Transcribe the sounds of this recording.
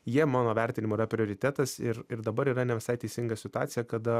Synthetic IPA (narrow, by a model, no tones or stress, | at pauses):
jiɛmɑːnoːʋʲɛɾʲt̪ʲɪnʲɪmoːiɪɾɐpʲɾʲɪoːɾʲɪt̪ʲæt̪ɐsɪɾɪɾd̪ɐbɐɾiːɾɐnʲɛʋʲɪsɐɪt̪ʲɛɪsʲɪŋɡɐsʲɪt̪ʊɑːt̪sʲɪjɛkɐd̪ɐ